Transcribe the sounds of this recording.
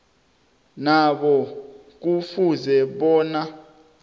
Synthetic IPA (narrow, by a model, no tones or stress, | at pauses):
naɓɔ | k̬ufuzɛɓɔːna